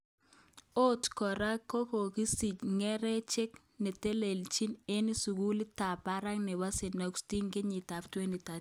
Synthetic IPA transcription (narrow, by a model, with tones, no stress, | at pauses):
o˦tkɔ˨ɾa˦kːo˦po˨ki˦si˨t͡ʃŋɛ˦ɾɛ˦t͡ʃe˦k | ne˨te˦le˨lt͡ʃi˦ne˦ni˦su˨ku˦li˦ta˨pa˦ɾa˦kne˨ba˦se˨na˨ku̥sti˦ŋɡe˦ɲi˨ta˨ptwe˦ni˨ta˨